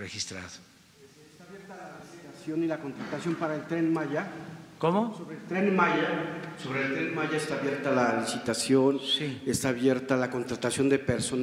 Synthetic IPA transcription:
rexist̪ɾa̰ðo | e | st̪aːβje̞ɾt̪alalisit̪asjo̞nilako̞nt̪ɾat̪asjo̞mpaɾaelt̪ɾe̞nmaʝakomoso̞βɾeːlt̪ɾe̞nmaʝaso̞βɾelt̪ɾenmaʝaest̪aːβje̞ɾt̪alalisit̪asjo̞nsiest̪aːβje̞ɾt̪alako̞nt̪ɾat̪asjo̞nd̪e̞pe̞ɾso̞n

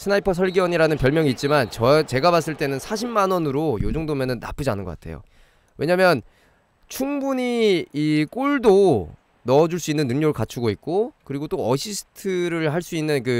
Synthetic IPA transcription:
sʰɯnaipʰʌsʰʌɭɡiʌɲiɾanɯnpjʌɭmjʌŋiːt̚t͡ɕ͈imant͡ɕʌt͡ɕe̞ɡabas̬͈ɯɭt͈e̞nɯnsʰaɕʰimmanwʌnɯɾojod͡ʑoŋdomjʌnɯnːa̰p͈ɯd͡ʑia̰nɯnŋɡʌk͈atʰe̞̰jo̰ | we̞ɲamjʌn | t͡ɕʰuŋbuɲiik͈uɭdo | nʌʌd͡ʑuɭs͈uinːɯnːɯŋɲoɡɯɭkat͡ɕʰuɡoit̚k͈okɯɾiɡot͈oʌɕʰisʰɯ̥tʰɯɾɯɭɦaɭs͈uinːɯnkɯ

